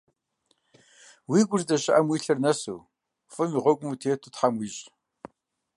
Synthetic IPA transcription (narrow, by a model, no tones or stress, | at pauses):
wiɡʷʊrdɐɕɪʔɐmwiːɬɐrnɐso̰w | fɨmiʁʷɔkʷʼʊmutʰeːtʰutħamwiːɕʼ